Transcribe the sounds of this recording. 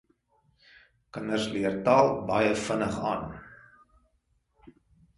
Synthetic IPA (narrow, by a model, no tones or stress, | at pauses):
kənərsliərtɑːlˠbɐjəfənəχɑ̰ːn